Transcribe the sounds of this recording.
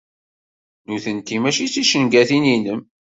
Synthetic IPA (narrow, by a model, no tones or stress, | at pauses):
nʊɾθənt̪imæʃit͡sːiʃənɡæθininəm